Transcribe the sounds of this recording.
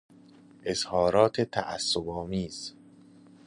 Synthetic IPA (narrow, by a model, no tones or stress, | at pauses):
ʔezhɒːɾɒːt̪ʰet̪ʰæ̰ʔæ̰sːobɒːmiːz̥